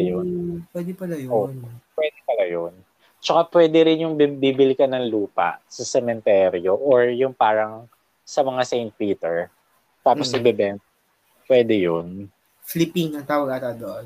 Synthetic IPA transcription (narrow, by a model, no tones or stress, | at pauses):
jopwɛːd̪ɛpɐlajonpwɛːd̪ɛpɐlajon | t͡ʃɐkapwɛːd̪ɛɾɪnjʊŋbibibɪlɪkɐnɐŋluːpɐ̰ʔsɐsɛmɛnt̪ɛːɾjoʔoɹjʊŋpaːɾɐŋ | sɐmɐŋasɛjnt̪̚piːt̪ɛɹ | t̪aːposnɐbɛbɛn | pwɛːd̪ɛjon | flɪpinɐŋt̪aːwɐɡat̪ad̪oʔon